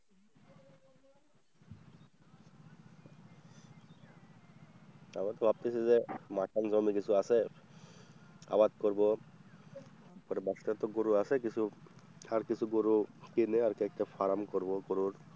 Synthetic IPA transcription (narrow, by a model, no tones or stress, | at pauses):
amat̪ɔbʱab̚t̪esʰizemaʈʰanzɔmikisʰuasɛ | a̰bad̪̚kɔɾbɔ | pɔɾɛbasʈat̪ɔɡoɾuasɛk̬isʰuaɾkisʰuɡoɾukineaɾkɛk̚ʈafʰaɾamkɔɾbɔɡoɾuɾ